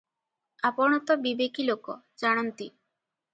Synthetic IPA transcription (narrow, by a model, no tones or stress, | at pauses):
apɔɽ̃ɔt̪ɔbibekilokɔ | d͡ʒaɽ̃ɔnt̪i